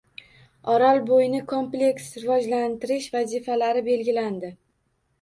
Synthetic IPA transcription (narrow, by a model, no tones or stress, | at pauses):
ɒɾalˠbojnɪkʰo̞mplʲe̞ksɾɪvɒd͡ʒlant̪ɪɾɪʃvazifalaɾɪbe̞lɡʲɪland̪ɪ